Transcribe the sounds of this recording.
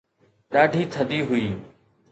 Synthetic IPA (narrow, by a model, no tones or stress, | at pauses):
ɗaːɖʱiːt̪ʰəd̪iːɦʊiː